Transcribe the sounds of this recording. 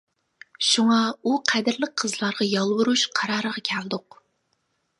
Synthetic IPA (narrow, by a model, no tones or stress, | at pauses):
ʃuŋɑuqʰæd̪ɪɾləq̚qʰːəzlˠɑɾʁɑjɑlˠwʊɾuʃqʰɑɾɑːɾəʁɑkʲʰælɨd̪ʊq